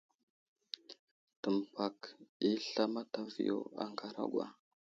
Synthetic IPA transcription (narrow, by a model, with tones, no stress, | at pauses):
tə˨m˨pa˨ki˦ɬa˦ma˦ta˨vḭ˨jo̰˦a̰˦ŋɡa˨ɾa̰˦ɡwa̰˦